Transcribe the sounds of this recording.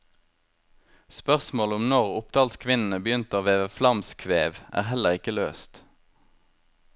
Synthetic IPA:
spœʁsmoːləʊmnɔʁʊpd̪̥ɑːlskʰʋɪnn̩əbəjʏnt̪əoːʋeːʋəflɑmskʰʋeːʋʔæ̰ːʁhɛləʁɪkəlø̰ːst̪

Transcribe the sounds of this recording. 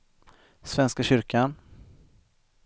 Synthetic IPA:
svɛnskaɕʏɾkʰan

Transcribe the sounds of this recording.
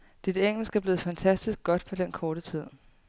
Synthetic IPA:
d̥id̥eŋ̰l̩sɡ̥æɐb̥le̝ːð̩ˠfænt͡sʰæsd̥isɡ̥̚ɡ̥ɒ̽d̥pʰɒ̽d̥enkʰɒːɾ̥ət͡sʰið̞̰ˠ

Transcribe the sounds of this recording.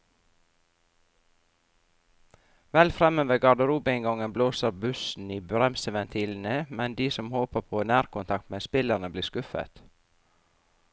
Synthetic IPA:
ʋɛlfɾɛmøːʋəɡɑɖ̪əɾuːbɪɪŋɡɔŋənbloːsəɾbʉsn̩iːbɾɛmsəʋɛnt̪ʰiːln̩əmɛnd̪iːsɔmhoːpəpʰoːnæːɾkʊnt̪ʰɑk̚t̪meːspɪləɾnəbliːskʉfə̰t̪

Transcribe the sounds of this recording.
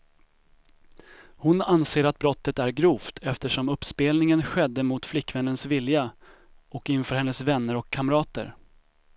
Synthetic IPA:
hʊnanseːɾat̪̚bɾɔt̪ːət̪æɾɡɾuːft̪ʰɛft̪əʂɔmɵpːspeːlnɪŋənɧɛd̪ːəmʊt̪flɪkːvɛnːənsvɪlja | ʔɔkːɪnfœːɾhɛnːəsvɛnːəɾɔkʰːamɾɑːt̪ə̰ɾ

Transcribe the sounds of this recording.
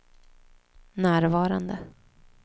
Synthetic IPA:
næːɾvɑːɾand̪ə

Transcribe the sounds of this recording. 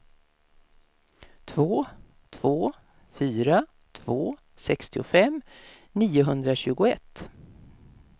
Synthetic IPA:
t̪ʰvoː | t̪ʰv̥oː | fyːɾa | t̪ʰv̥oː | sɛkst̪ɪʊfɛm | niːʊɦɵnd̪ɾaɕʉ̟ːɡʊɛt̪ː

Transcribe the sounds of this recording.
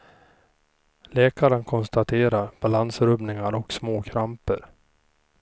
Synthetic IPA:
lɛːkaɾənkʰɔnst̪at̪ʰeːɾaɾb̥alansɾɵbnɪŋaɾɔksmoːkʰɾampəɾ

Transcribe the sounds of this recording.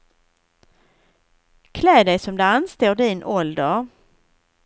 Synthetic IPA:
kʰlɛːd̪ɛjsɔmd̪ɵanst̪oːɖɪnʔɔld̪əɾ

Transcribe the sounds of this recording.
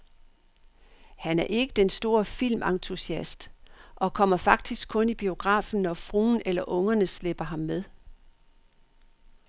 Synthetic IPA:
hænæɐʔe̝ɡ̥əd̥ensd̥o̝ːɐfil̰mʔɑ̈ŋt͡sʰusiæsd̥ʔɒ̽kʰɒ̽m̰ɐfɑ̈ɡ̥̚d̥isɡ̥̚kʰɔ̽nib̥io̝ɡ̥ʁɑ̰̈ːfn̩ːɒfʁuːnelɐʔɔ̽ŋɐnəsleb̥ɐɦɑ̈mːeðˠ

